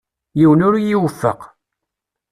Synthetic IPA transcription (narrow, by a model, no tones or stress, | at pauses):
jiwənʊɾjiwəfːə̰q